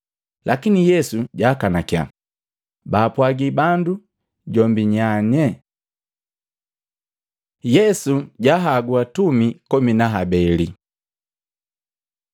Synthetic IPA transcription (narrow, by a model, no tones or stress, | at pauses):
lʔakinijɛsuɟaːkanakija̰ | baːpwaɡibandu | ɟɔmbiɲaɲɛ | jɛsuɟaɦaɡuatumikɔminaɦabɛli